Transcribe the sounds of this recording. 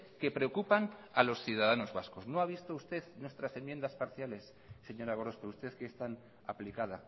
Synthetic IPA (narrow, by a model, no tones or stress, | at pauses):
ke̞pɾe̞o̞kupanalo̞sθjuðaðano̞zβasko̞znoaβ̞ist̪oust̪e̞ðnwe̞st̪ɾase̞mjend̪aspaɾθjale̞sː | e̞ɲo̞ɾaɣoɾo̞speust̪e̞θkeːst̪an | a̰plikaða